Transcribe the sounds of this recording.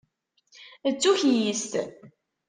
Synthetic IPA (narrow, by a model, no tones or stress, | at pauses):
ət͡sːuçjəst̪